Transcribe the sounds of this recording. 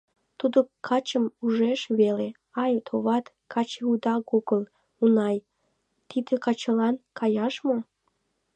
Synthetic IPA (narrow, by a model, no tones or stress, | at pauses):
t̪ud̪okʰɑt͡ɕəmuʒeʃβele | ɑjt̪ʰoβɑt̪ | kʰɑt͡ɕeud̪ɑɣoɡəl | unɑj | t̪id̪ekɑt͡ɕəlɑnkʰɑjɑʃmo